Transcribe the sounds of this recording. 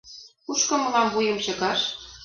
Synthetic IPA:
kuʃkɤ̆mɤ̆lɑmvujɤ̆mt͡ɕɤ̆kɑʃ

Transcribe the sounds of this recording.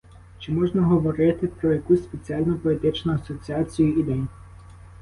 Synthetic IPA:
t͡ʃɪmɔʒnɐɦɔʋɔɾɪt̪ɪpɾɔjɐkusʲspet͡sʲiɑlʲnɔpɔlʲit̪ɪt͡ʃnʊɐsɔt͡sʲiɑt͡sʲijʊid̪ɛnʲ

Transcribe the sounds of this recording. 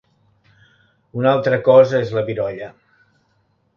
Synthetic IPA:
unalˠt̪ɾəkɔzəezləβiɾɔʎə

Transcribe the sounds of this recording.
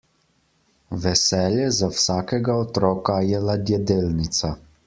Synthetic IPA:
ʋɛsɛːljɛzawsaːkɛɡaɔt̪ɾɔːkajɛlad̪jɛd̪eːlnit̪sa

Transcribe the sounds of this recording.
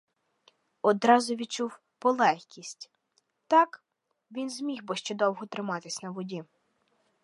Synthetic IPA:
ɔd̪ɾɑzʊʋʲid̪̚t͡ʃuw | pɔlˠɛxʲkʲisʲtʲ | t̪ɑk | ʋʲinzmʲixbɔʃt͡ʃɛd̪ɔwɦɔt̪ɾɪmɑt̪ɪsʲnɐʋɔdʲi

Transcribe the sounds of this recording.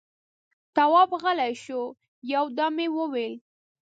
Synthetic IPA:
t̪awɑbɣəlajʃo | jawd̪ɑmewəwel

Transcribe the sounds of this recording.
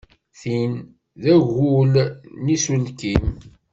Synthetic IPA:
θin | ðæʝulnisulkim

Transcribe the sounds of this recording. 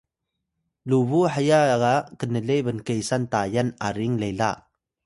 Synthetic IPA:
luβuħajakaʔkənəlebənkejsant̪ajanaɾiŋlejlaʔ

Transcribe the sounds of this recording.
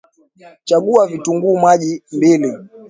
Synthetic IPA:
t͡ʃaɡuavituŋɡuːmwaʄimbili

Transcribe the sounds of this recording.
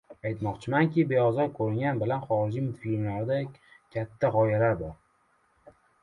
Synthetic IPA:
ajt̪mɒqt͡ʃʰɪmaŋkʲɪbe̞ɒzɒɾkʰɵɾɪŋɡʲanbɪlanχɒɾɪd͡ʒimʊt̪fiɪnlaɾɪd̪akʲʰat̪ʰːaʁɒjalaɾbɒɾ

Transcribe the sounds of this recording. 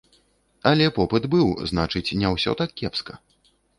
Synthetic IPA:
ɐlʲɛpɔpɨd̪bɨwznat͡ʂɨt͡sʲnʲɛwsʲɔ̰t̪akːʲɛpskɐ

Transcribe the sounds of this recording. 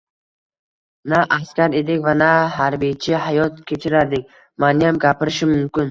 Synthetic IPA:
naʔːskʲaɾed̪ɪkʲvanaɦaɾbijt͡ʃʰɪhajɒt̪kʲʰe̞t͡ʃʰɪɾaɾd̪ɪk̚ʲ | manɪjamɡʲapʰɪɾɪʃɪmʊmkʲɪn

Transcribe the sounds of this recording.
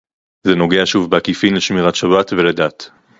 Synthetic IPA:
zeno̞ɡe̞aʃuvbeakifinleʃmiʁatʃabatveledat

